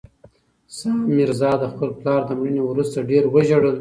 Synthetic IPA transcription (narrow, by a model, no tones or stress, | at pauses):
sɑmɪɾzɑd̪əxpəlplɑɾd̪əmɽənewɾust̪aɖeɾwəʒaɽəl